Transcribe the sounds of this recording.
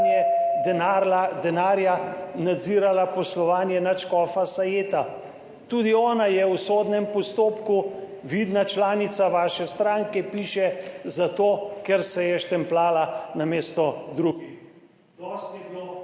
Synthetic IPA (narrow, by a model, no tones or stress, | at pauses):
jɛɛaad̪ɛnaːɾjanad̪ziːɾalapɔslɔʋaːnjɛnat͡ʃkɔːfasajeːt̪a | t̪uːd̪iɔːnajɛwsoːd̪nɛmpɔst̪oːpku | ʋid̪nat͡ʃlaːnit̪saʋaːʃɛst̪ɾaːŋkɛpiːʃɛzat̪oːkɛɾsɛjɛʃt̪ɛmplaːlanameːst̪ɔd̪ɾuːi | ɔst̪io